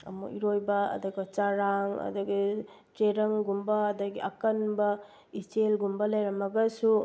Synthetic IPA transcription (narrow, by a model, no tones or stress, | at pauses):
ɐ̰mṵʔḭɾojbɐɐ̰dɐɡɐt͡ʃaɾaŋɐ̰dɐɡi | t͡ʃeɾɐŋɡumbɐːdɐɡiʔɐkɐnbɐ | it͡ʃelɡumbɐlɐjɾɐmɐɡɐsu